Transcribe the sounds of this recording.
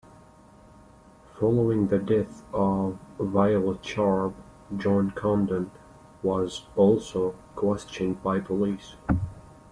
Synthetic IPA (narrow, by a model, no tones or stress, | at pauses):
fɑlˠoʊɪ̃ŋðɨdɛθʌvːaɪəlˠət͡ʃʰɑɹb | d͡ʒɑ̃nkʰɑ̃ndə̃n | wʌzɔlˠsoʊkʰw̥ɛst͡ʃɨ̃nd̚baɪpʰəlis